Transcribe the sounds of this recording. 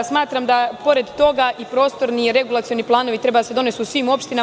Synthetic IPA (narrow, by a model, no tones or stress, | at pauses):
smaːt̪ɾamd̪apo̞ɾe̞d̪t̪o̞ɡaʔipɾo̞ːst̪o̞ɾniɾe̞ɡulˠat̪sijo̞niplˠaːno̞ʋit̪ɾe̞bad̪ase̞d̪o̞ne̞suusʋiːmo̞pʃt̪ina